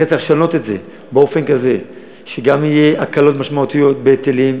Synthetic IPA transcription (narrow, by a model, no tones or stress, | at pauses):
et͡saχʃano̞t̪e̞tze̞ | beo̞fe̞nkaze̞ | ʃeɡamijeʔakalo̞tmaʃmaut̪ijo̞t̪̚bet̪elim